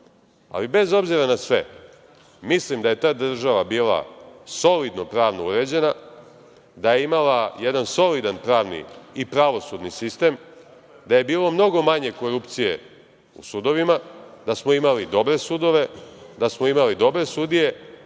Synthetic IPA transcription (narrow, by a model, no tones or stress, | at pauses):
a̰libe̞zo̞bziɾanasʋe̞̰ | mislimd̪aje̞t̪aːd̪r̩ʒaʋabiːlˠa̰so̞lid̪no̞pɾaːʋnouɾe̞d͡ʑe̞na | d̪aje̞imalajed̪anso̞lid̪anpɾaːʋnḭipɾaʋo̞sud̪nisist̪e̞m | d̪aje̞biːlˠomno̞ɡo̞maɲe̞ko̞ɾupt̪sijḛ | ṵsud̪o̞ʋimad̪̥asmo̞imalid̪o̞bɾe̞sud̪o̞ʋe̞d̪asmo̞imalid̪o̞bɾe̞sud̪ije̞